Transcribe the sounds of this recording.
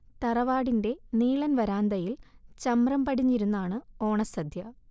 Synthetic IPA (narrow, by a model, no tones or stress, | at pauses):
t̪ɐrɐʋaːɽinde̞niːɭɐnʋɐɾaːnd̪ɐjilt͡ɕɐmrɐmpɐɽiɲːiɾunːaːɳɨo̞ːɳɐsɐd̪ʱjɐ